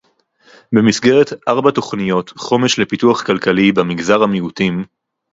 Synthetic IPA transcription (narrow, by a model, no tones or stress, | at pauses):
be̞misɡe̞ʁetʔaʁbato̞χnijo̞t̪χo̞me̞ʃle̞pituaχkalkalibamiɡzaʁhamiutim